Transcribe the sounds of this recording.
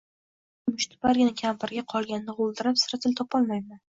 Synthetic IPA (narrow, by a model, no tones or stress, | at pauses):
mʊʃt̪ʰʊ̥paɾɡʲɪnɪkʲʰampaɾɡʲaqʰɒlˠɡʲanːɨʁolˠd̪ɪɾapsɪɾat̪ʰɪlt̪ʰɒpɒlˠmajman